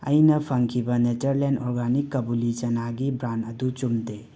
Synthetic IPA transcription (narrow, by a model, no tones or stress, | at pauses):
ə̰jnəpʰəŋkʰibəned͡ʒəɾlenɔɾɡanikːəbulid͡ʒɐnaɡibɾanəd̪ut͡ʃumd̪e